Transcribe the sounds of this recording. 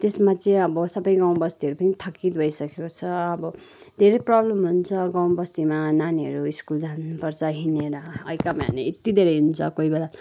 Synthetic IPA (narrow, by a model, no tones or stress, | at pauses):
t̪esmat͡sʌĩʌbʌsʌbʌjɡãw̃bʌst̪iʌɾupʌnit̪ʰʌkːit̪bʱʌjsʌkekot͡sʰʌʌbʌ | d̪ʱeɾʌjprʌblʌmɦunt͡sʰʌɡãw̃bʌst̪imananiɦʌ̰ɾuiskuld͡zanːupʌrt͡sʰʌɦineɾʌʌ̰jkamaɦʌ̰neet̪id̪ʱeɾʌjɦunt͡sʰʌkoibela